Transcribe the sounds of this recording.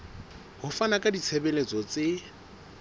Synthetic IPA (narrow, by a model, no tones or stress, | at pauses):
hʊfanakʼadit͡sʰebɛlet͡sʼɔt͡se